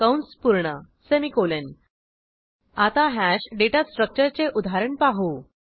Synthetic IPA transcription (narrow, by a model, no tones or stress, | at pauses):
kawnspuɾɳə | semikolən | at̪aɦæɕɖeʈasʈɾək̚t͡ɕəɾt͡seʔud̪ʱaɾəɳpaɦu